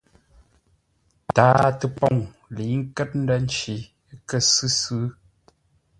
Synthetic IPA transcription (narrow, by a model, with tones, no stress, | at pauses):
taː˨˦tə˨pɔ˦˨ŋ | li˨˦ŋ̩˦kɛ˦t̚n̩˦də˦n̩˦t͡ʃi˨˦ | kə˦˨sɨ˦sɨ˦